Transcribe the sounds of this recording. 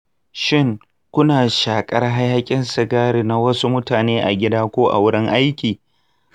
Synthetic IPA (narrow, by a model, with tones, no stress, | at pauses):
ʃɪ˦ŋ | kʷʊ˦naː˨ʃaː˨kʼɐ˦rɦa˦ja˦kʲʼɪ˦nsɪ˨ɡaː˦ɽiː˨na˦wɐ˦su˦mʊ˦taː˨neː˦ʔa̰˨ɡʲɪ˦daː˦kʷoː˦ʔa̰˨wʊ˦ɽɪ˦ŋʔa˦jkʲiː˨